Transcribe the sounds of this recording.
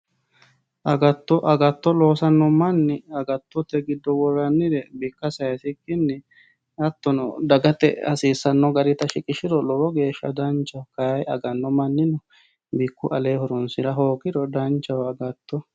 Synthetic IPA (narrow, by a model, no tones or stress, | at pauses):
ʔɐɡɐt̪ːɔʔɐɡɐt̪ːɔlo̞ːsɐnːɔmɐnːɪɐɡɐt̪ːɔt̪ɛɡɪd̪ːɔwɔrɐnːɪɾɛbɪkːɐsɐjɐsɪkːɪnːɪ | ɐt̪ːɔnɔd̪ɐɡɐt̪ɛ̰ɐ̰siːsːɐnːɔɡɐɾɪt̪ɐʃɪkʼɪʃɪɾɔlɔwɔɡe̞ːʃːɐ̰d̪ɐnt͡ʃːɐwkɐjɐɡɐnːɔmɐnːɪnɔ | bɪkːʊʔɐleːhɔɾʊnsɪɾɐɦoːkɪdɔd̪ɐnt͡ʃːɐwɐɡɐt̪ːɔ